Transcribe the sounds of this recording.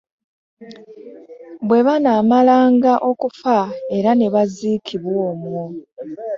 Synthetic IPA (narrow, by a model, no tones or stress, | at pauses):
bwe̞βanaːmalaːŋɡaʔo̞kufae̞ɾane̞βaziːkʰiβwo̞ːmwo